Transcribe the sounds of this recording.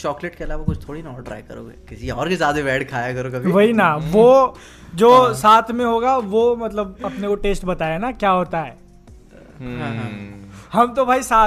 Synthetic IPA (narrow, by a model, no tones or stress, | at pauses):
t͡ʃɔːkleʈkeɐlaːʋakʊt͡ʃʰt̪ʰoːɽinɔːʈɾaːjkɐɾo̰ːɡḛkɪsiɔːɾkizaːd̪eʋɛːɖkʰaːjakɐɾokɐbʱʋɐɦinaʋo | d͡ʒoːsaːt̪ʰmẽɦoːɡaʋomɐt̪ləb̚ɐpnekoʈeːsʈbɐt̪aːjanakjaːɦoːt̪aɦɛː | ɦãːɦãːhɐmt̪obʱaːisaː